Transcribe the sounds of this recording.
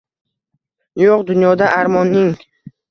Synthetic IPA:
joqd̪ʊnjɒd̪aʔaɾmɒnːɪŋ

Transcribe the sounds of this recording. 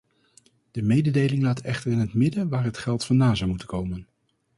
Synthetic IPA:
d̥əmejdədejlɪŋlaːtʰɛχtəɹɪnɦətmɪdəʋaːɹɦətχɛlˠtfɑndaːzɑwmutəkowmən

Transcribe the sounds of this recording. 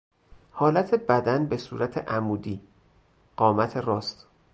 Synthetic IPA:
hɒːlæt̪ʰebæd̪ænbe̞suːɾæt̪ʰeʔæmuːd̪iː | ɢ̥ɒːmæt̪ʰe̞ɾɒːst̪

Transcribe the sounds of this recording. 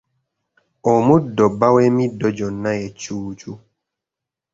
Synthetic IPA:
ɔmudɔbawɛmidɔd͡ʒɔnːajɛt͡ʃuːt͡ʃu

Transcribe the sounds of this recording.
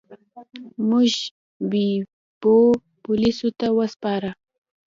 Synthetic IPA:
mʊʒ | bi | bo | pʊlɪsʊt̪awaspɑːɾa

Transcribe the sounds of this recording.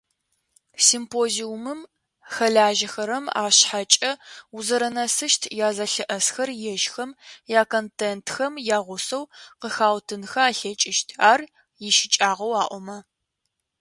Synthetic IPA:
simpʰoːziʊmɨm | xɐɮaːʒɐxɐɾɐma̰ːɕħat͡ʃʼɐuzɐɾɐnɐsɨʃtʰjaːzɐɬɨʔɐsxɐrjɛʒxɐmjaːkʰoːntʰentxɐmjaːʁʷʊsɐwqəxaːwtʰɨnxɐaːɬɐt͡ʃʼɪʃtʰaːr | jɪʃɪt͡ʃʼaːʁɐwaːʔʷɔmɐ

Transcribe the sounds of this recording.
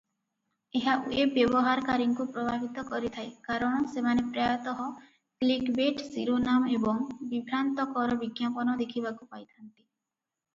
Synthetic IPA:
eɦaʔuebjɔbɔɦaɾɔkaɾiŋkupɾɔbʱabit̪ɔkɔɾit̪ʰaekaɾɔɽ̃ɔsemanepɾjajɔt̪ɔɦɔ | klikbeʈsiɾonamebɔŋbibʱɾant̪ɔkɔɾɔbiɡjapɔnɔd̪ekʰibakupajt̪ʰant̪i̥

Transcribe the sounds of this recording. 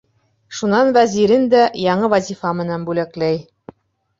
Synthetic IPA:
ʃunɑnvæzʲiɾɘnd̪æjɑɴɤvæzʲifɑmɘ̆nænbʉlæklæj

